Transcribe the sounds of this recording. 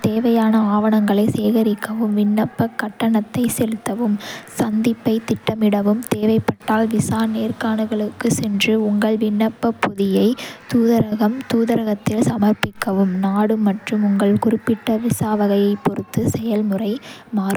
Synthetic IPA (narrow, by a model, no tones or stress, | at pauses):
t̪eːʋɐjaːnɐaːʋɐɳɐŋɡɐɭɐɪseːɣɐɾɪkːɐʋɯmʋɪɳːɐpːɐkːɐʈːɐɳɐt̪ːɐɪsɛlɯt̪ːɐʋɯmsɐnd̪ɪpːɐɪt̪ːɪʈːɐmɪɽɐʋɯmt̪eːʋɐɪpːɐʈːaːlʋɪsaːneːrkaːɳɯɣɐɭɯkːɯsɛndrɯʊŋɡɐɭʋɪɳːɐpːɐpːʊðɪjɐɪt̪uːðɐɾɐɣɐmt̪uːðɐɾɐɣɐt̪ːɪlsɐmɐɾpːɪkːɐʋɯmnaːɽɯmːɐʈrɯmʊŋɡɐɭkʊrɪpːɪʈːɐʋɪsaːʋɐɣɐjɐɪpːɔɾɯt̪ːɯsɛjɐlmɯrɐɪ | maːɾ